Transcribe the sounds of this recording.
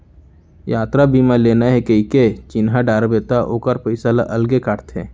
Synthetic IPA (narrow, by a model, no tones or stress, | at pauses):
jaːt̪ɾabiːmãleːnaɦɛkəiket͡ʃɪnɦaɖaːɾbeːt̪aʔoːkəɾpɐɪsala̰ʔɐlɡekaːʈt̪ɦɛ̰ː